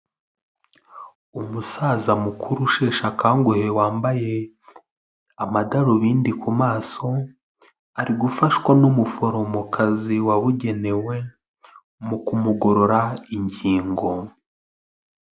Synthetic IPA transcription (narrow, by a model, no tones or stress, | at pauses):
umusaːzamukʰuɾuʃe̞ːʃakʰaːŋɡuhe̞waːmbaje̞ | amadaɾoβiːndikʰumaːso̞ | aɾiɡufaʃkwanumufo̞ɾo̞mokʰaziwaβuɟe̞ne̞we̞ | mukumuɡo̞ɾo̞ɾaiɲɟiːŋɡo̞